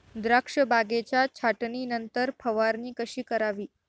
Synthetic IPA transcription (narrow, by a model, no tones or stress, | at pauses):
d̪ɾakʂəbaɡet͡ɕjat͡ɕʰaʈniːnənt̪əɾpʰəʋaɾniːkəɕiːkəɾaʋiː